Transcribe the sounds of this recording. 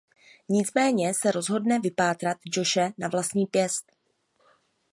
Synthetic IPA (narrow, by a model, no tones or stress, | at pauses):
ɲɪt͡smɛːɲɛsɛɾo̞zɦo̞dnɛvɪpaːt̪ɾat̪d͡ʒo̞ʃɛnavlast̪ɲiːpjɛst̪